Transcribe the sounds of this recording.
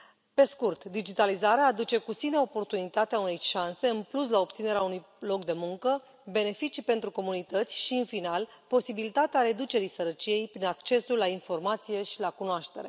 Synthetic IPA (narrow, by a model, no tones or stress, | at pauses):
pe̞skurt̪d̪id͡ʒit̪alizaɾeaːd̪ut͡ʃe̞kusine̞o̞po̞rt̪unit̪at̪eaune̞jʃanse̞ɨnplus̬lao̞p̚t̪sine̞ɾeaunuj | lo̞kd̪e̞muŋkə | be̞ne̞fit͡ʃipe̞nt̪ɾuko̞munit̪ət̪sʲʃiɨnfinalpo̞sibilit̪at̪eaɾe̞d̪ut͡ʃe̞ɾijsəɾət͡ʃije̞jpɾinakt͡ʃe̞sulːainfo̞rmat̪sije̞ʃilakunoaʃt̪e̞̰ɾe̞